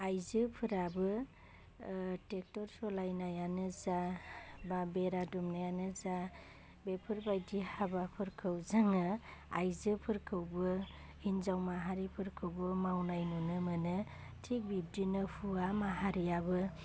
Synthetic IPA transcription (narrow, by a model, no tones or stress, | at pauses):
ajzɯpʰɯɾabɯ | tek̚tɔɾsɔlajnajanɯzababeɾadumnajanɯza | bepʰɯɾbajdihabapʰɯɾkʰɯwzaŋɯajzɯpʰɯɾkʰɯwbɯ | hinzawmaɦaɾipʰɯɾkʰɯwbɯmawnajnunɯmɯnɯtʰik̚bib̚dinɯhʰuamaɦaɾiabɯ